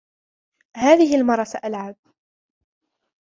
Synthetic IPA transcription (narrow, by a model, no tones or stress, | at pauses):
haːðɪɦɪlmɑrˤːɑsaʔalʕab̚